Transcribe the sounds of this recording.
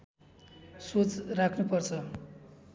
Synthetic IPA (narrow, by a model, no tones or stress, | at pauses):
sot͡srakʰnupʌrt͡sʰʌ